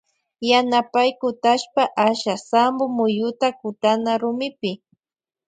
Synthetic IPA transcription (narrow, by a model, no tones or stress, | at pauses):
janapajkʊt̪aʃpaʔaʃasambʊmʊjʊt̪akʊt̪anaɾʊmɪpɪ